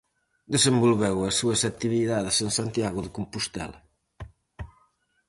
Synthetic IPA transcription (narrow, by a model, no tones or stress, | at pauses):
d̪əzembulβɛwɐsːuɐsat̪iβiðaðesənsant̪jaɣuðəkumpust̪ɛ̰lɐ